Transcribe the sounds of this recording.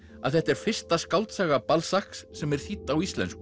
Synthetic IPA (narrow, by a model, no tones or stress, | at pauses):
a̰ðθɛht̪ɛɾ̥fɪr̥st̪askawlt̪saːɣapalsahksːɛmɛɾ̥θit̪ːawist̪lɛ̰nsk